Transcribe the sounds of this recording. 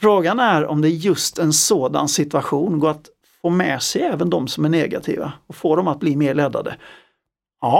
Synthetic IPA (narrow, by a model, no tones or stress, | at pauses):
fɾoːɡanæɾɔ̰md̪ɛæɾjɵst̪ɛnsoːd̪a̰nsɪt̪ɵaɧuːnɡoːɾat̪ | foːmɛsɛjɛːvənd̪ɔmsɔmæɳɛːɡa̰t̪ʰḭːva̰ɔfoːd̪ɔmat̪̚bliːmeːɭɛd̪ːa̰d̪ə̰